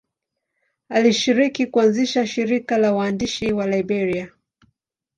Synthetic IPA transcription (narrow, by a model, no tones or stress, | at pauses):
aliʃiɾikikuanziʃaʃiɾikalawaːndiʃiwalajbɛɾia